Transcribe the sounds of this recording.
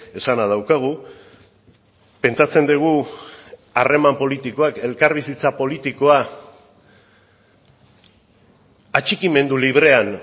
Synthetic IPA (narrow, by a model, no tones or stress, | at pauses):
e̞sanað̞awkaɣ̞u | pe̞nt͡ʃat͡se̞nd̪iɣ̞u | are̞mampo̞lit̪iko̞ake̞lkaɾβisit͡sapo̞lit̪iko̞a | at͡ʃikime̞nd̪uliβ̞ɾe̞an